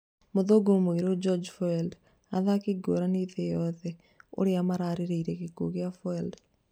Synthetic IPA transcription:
moðoɡomoeɾod͡ʒɔd͡ʒfɔɛld | aðakeɡoɾaneðejɔðɛ | o̰ɾeamaɾaɾeɾeiɾɛkeɡoɣeafɔɛld

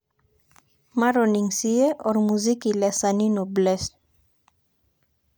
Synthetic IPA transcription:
maɾoniŋsieʔoɾmuzikilesaninobles

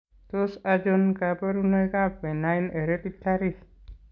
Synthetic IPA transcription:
t̪osad͡ʒɔnkapəɾunɔjkapenajneɾep̪it̪ʰːaɾi

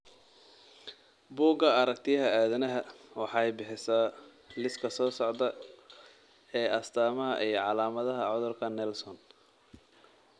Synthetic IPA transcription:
buːɡɐɐɾɐk̚t̪ʰɪjɐɦɐaːðɐnɐɦɐwɑħɑjbɪħɪsa | lɪskʰɐsɔːsɔʕd̪ɐ | ɛːʔɐst̪ʰaːmɐɦɐ̰ʔijɞʕɑlaːmɐðɐɦɐʕɔðʊrkʰɐnɛlsɔn

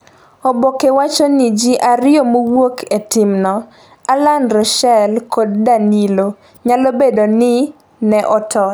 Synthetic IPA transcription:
obokewat͡ʃɔnɪd͡ʒiʔaɾɪjomowokʰetɪmnɔ | alanɾɔʃɛlkʰoddanilo | ɲalobedonɪ | nɛʔɔtʰɔ

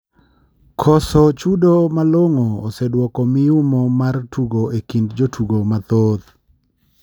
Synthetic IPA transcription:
kʰɔsɔt͡ʃudomaloŋoːsɛdwɔkɔmɪʊmɔmartʰuɡoʔekindd͡ʒotʰuɡomat̪oð

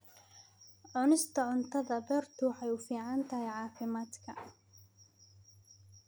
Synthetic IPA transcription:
ʕʊnɪst̪ʰɐʕʊnt̪ʰɐðɐbɛrt̪ʰʊħɛjʊfiːʕant̪ʰɐɦɛjʕɑːfɪmaːd̪kʰɐ

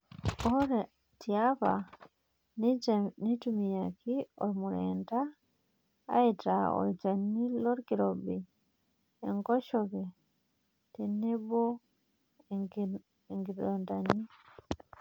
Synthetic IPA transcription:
ʔɔɾɛ | tiaba̰ | nnitumijakʰiɔ̰ɾmuɾɛnta | a̰itaɔ̰ɾd͡ʒanːilɔɾɡiɾɔbɛ | ɛŋɡɔʃɔɡɛ | tɛnɛbɔ | ɡ | ŋɡiɗɔndanːi

